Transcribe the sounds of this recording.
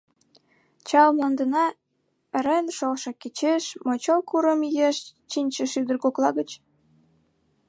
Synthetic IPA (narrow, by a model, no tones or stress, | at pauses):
t͡ɕɑlmɑnd̪ənɑ | eɾenʃolʃɤ̆ket͡ɕeʃmot͡ɕolkuɾəmjeʃt͡ɕinʲt͡ɕə̆ʃyd̪ərkoklɑɣət͡ɕ